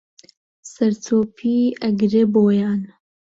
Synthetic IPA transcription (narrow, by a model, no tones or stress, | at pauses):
sɐɾt̪ʰoːpʰiːɐɡɾeboːjaːn